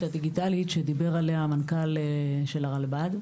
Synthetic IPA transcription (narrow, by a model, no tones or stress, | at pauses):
tad̪iɡitalitʃed̪ibe̞ʁaleamankaleʃelaʁalbad̪